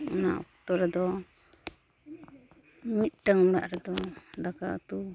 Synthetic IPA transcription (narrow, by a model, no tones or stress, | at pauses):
una̰ʔɔ̰kt̪ɔɾɛd̪ɔ | mit̪̚ˀʈəŋuɽa̰ʔɾɛd̪ɔd̪akat̪u